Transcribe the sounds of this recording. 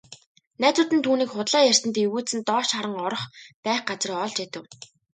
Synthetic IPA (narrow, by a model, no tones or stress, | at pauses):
næːt̪ʊːt̪ɘ̆nt̪ʰuːniːkχʊt̪ɮaːjær̥sɘ̆nt̪iwuːsɘ̆nt̪ɔːʃaɾə̆ŋɔɾɞ̆χpæːχɢat͡sriːɔɮt͡ɕæt̪ɘ̆w